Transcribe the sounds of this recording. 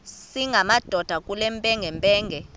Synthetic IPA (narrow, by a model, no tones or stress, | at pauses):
siŋʱamad̥ʱɔd̥ʱakʼulɛmpʼɛŋɡʱɛmpʼɛːŋɡʱɛ